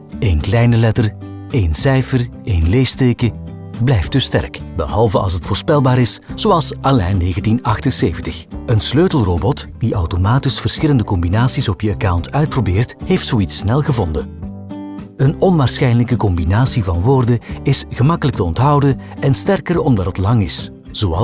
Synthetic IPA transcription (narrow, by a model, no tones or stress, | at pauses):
eːnklɛjnəlɛtər | eːnsɛjfər | ejnleːsteːkə | blɛjftɵstɛ̰rkbəɦɑlˠvəɑ̰lˠsətfoːrspɛlˠbaːɾɪsz̥oɑlˠsʔɑlɛ̰jnːeːɣəntinɑxtənseːvəntəxənsløːtəlˠroːbɔtd̥iʔɑwtomaːtɪsfərsxɪləndəkɔmbinaːsisɔpjəakawntœɥt̚probeːrthejftsoitsːnɛlˠɣəvɔndə | ənɔnʋaːrsxɛjnələkəkɔmbinaːsivɑnʋoːrdəɪsɣəmɑkələk̚təɔntɦɑwdəɛnstɛrkərɔmdɑtətlɑŋɪs | z̥oːɑ̰